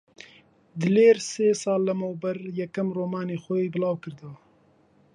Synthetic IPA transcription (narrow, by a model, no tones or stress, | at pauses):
d̪ɨleːɾseːsɑːlːəmowbɐɾjɛkɐmroːmɑːneːxɛjeːbɨlɑːwkɨɾd̪aː